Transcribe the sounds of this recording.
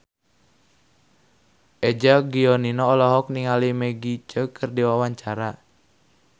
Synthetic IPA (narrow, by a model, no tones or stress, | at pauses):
ʔɛd͡ʒaɡiɔninɔːlɔɦɔk̚niŋalimeɡit͡ʃəkɨrdiwawaɲt͡ʃaɾa